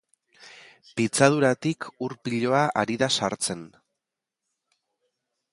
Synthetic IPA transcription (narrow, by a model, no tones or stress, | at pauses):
pit͡saðuɾat̪ikʰuɾpiʎo̞aʔaɾiðasaɾt͡se̞n